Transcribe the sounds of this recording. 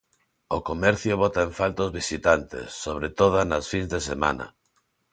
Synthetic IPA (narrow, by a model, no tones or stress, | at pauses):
okomɛɾθjoβɔt̪aeɱfalt̪ozβisit̪ant̪ḛsːoβ̞ɾet̪oðanasfinzðesemã̰nɐ̰